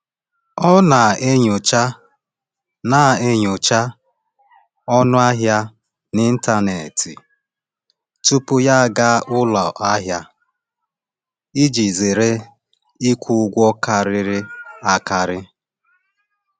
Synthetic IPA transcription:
ɔ˦na˨e˦ɲʊ˨t͡ʃa˦ | na˨e˦ɲʊ˨t͡ʃa˦ | ɔ˦nʊ˦a˦ɦja˦ | nɪ˦n̩˦ta˦ne˨tʰḭ˨ | tu˦pʊ˦ja˦˨ɡa˦ʔʊ˦lɔ˨ʔa˦ɦja˦ | i˦d͡ʒi˨ze˨ɾe˦ | i˦kʷu˦ɡʷɔ˦ka˨ɾɪ˦ɾɪ˦a˦ka˨ɾɪ˦

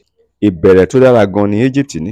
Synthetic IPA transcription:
i˨bɛ˨ɾɛ˨to˦da˦ɾa˧ɡɔ̃˧nĩ˧˦e˦d͡ʒi˦p̚ti˨nĩ˨˦

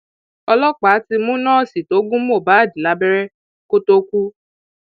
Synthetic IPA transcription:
ɔ˧lɔ˦k͡pa˨˦ti˧mũ˦nãː˦˨si˨to˨˦ɡũ˦m˦o˦˨ba˨˦a˦˨dĩ˨la˧˦bɛ˦ɾɛ˦ | ko˦to˧kʷu˦

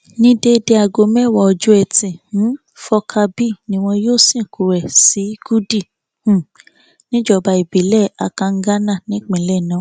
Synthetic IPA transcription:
nĩ˧˦de˧de˧a˧ɡo˧mɛ˦˨wɔ˧˨ɔ˧d͡ʒu˦ɛ˧tĩ˨˦ | fɔ˧kʰa˧bi˦nĩ˧w̃ɔ̃˧joː˦˨sĩ˦˨ku˨ɾɛ˨si˨˦ɡ̥u˦di˦˨ | h̩˨ | nĩ˦d͡ʒɔ˧˨ba˧i˨bi˨˦lɛ˦˨a˧kã˧ŋ̩˦ɡa˦nã˦˨nĩ˨˦k͡pĩ˨lɛ˦˨nã˨˦

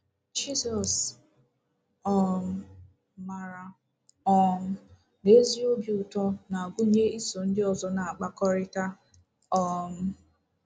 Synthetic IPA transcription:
d͡ʒi˦zɔ˨s | ɔ˨m̩˦ | ma˨ɾa˨ | ɔ˦m̩˦ | ne˦zi˦o˦bju˨tɔ˦na˨a˨ɡʷʊ˦ɲe˦i˦so˨n̩˦dɪ˦ɔ˨zɔ˨na˨a˨k͡pa˦kɔ˦ɾɪ˦ta˦ | ɔ˦˨m̩˦

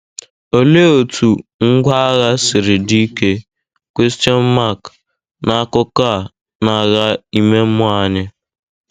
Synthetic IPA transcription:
o˨le˦o˨tʰu˨ŋ̩˦ɡʷa˦ɣa˦sɪ˨ɾɪ˨di˦ke˦ | kʷi˦stiɔ˦n̩˦ma˦˨k | na˦˨˦kʊ˦ka˦˨ | na˨ɣa˦i˦me˦m̩˦mʊ˦a˨˦ɲɪ˦

